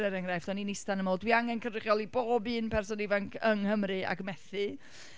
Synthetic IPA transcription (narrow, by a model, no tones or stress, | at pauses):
ɛɾɛŋrajfd̥ɔninɪstanəmoːlˠdwiaŋɛnkʰənrɪχjɔlˠiboːbɨːnpʰɛrsɔnɪvaŋkʰəŋhəmrɨa̰ɡmɛθɨ